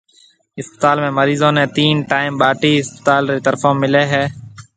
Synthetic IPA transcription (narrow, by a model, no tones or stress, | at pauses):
ɪspə̥t̪aːlmẽːməɾiːzõːnẽːt̪iːnʈaːɪmɓaːʈiːɪspət̪aːlɾeːt̪əɾfõːmːɪleːɦɛː